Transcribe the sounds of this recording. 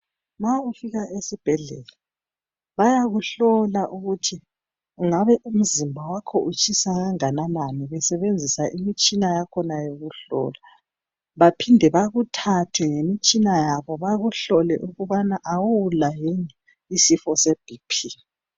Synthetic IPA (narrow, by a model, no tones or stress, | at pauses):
maufiɣaʔesib̥ʱɛɮɛ̰la | βajaɣuɬɔlaʔuɣutʰi | uŋaβɛʔum̩zimbʱawakʰɔʔut͡ʃʰʼisaɣaŋanamaniβɛsɛβend͡zʱisaʔimit͡ʃʼinajakʰɔnajoɣuɬɔ̰ːla | βapʰindʱɛβaɣutʰatʰɛŋemit͡ʃʼinajaβɔβaɣuɬɔlɛ̰ʔuɣuβanaʔawulajɛŋɛ | isifɔseb̥ʱipʰi